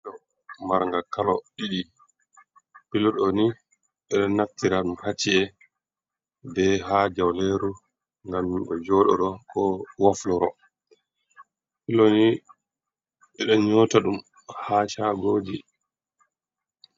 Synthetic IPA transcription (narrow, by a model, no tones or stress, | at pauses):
ɔ | maɾŋɡakalɔɗiɗi | pilɔɗɔni | ɛɗɔnːaftiɾaɗumhat͡ʃːiɛ | bɛɦad͡ʒawleɾu | ŋɡamːɓɔd͡ʒɔːɗɔ̰ɗɔkʰɔwaflɔɾɔ | pilɔni | ɛɗɔɲɔːtaɗum | haːt͡ʃaɡoːd͡ʒi